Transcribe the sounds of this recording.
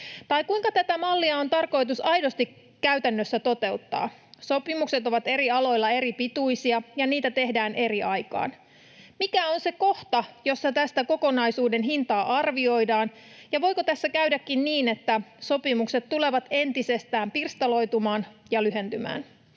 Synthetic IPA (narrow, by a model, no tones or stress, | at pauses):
t̪ɑjkuiŋkɑt̪æt̪æmɑlːiɑont̪ɑrko̞jt̪̬usɑjdo̞st̪ikː | æyt̪ænːøsːæt̪o̞t̪e̞ut̪ːɑ̰ːso̞pimukset̪o̞ʋɑt̪e̞ɾiɑlo̞jlːɑe̞ɾipit̪ujsiɑjɑniːt̪æt̪e̞ɦdæːnʔe̞riʔɑjkɑ̰ːn | mikæo̞nse̞ko̞ht̪ɑjo̞sːɑt̪æst̪æko̞ko̞nɑjsuːde̞nɦint̪ɑːʔɑrʋio̞jdɑːn | jɑʋo̞jko̞t̪æsːækæyɥdækːinniːne̞t̪ːæso̞pimukset̪t̪ule̞ʋɑt̪e̞nt̪ise̞st̪æːmpirst̪ɑlo̞jt̪umɑːnjɑlyɦe̞nt̪ymæ̰ːn